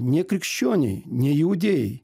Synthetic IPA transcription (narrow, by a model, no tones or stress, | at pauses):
nʲekɾʲɪkɕːonʲɪ̰jnʲeɪʊdʲej̰